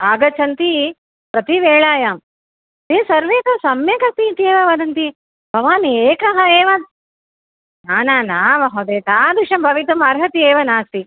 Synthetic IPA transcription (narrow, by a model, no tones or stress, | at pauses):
aːɡɐt͡ʃɐnt̪i | pɾɐt̪iʋeːɭaːjaːm | t̪eːsɐɾʋeːt̪ɐsɐmjɐkɐt̪iːt̪ieːʋɐʋɐd̪ɐnt̪i | bʱɐʋaːnieːkɐɦɐeːʋɐ | naːnaːnaːʋɐɦɐd̪eːt̪aːd̪uʂɐmbʱɐʋit̪̬umaːɾɦɐt̪ieːʋɐnaːst̪i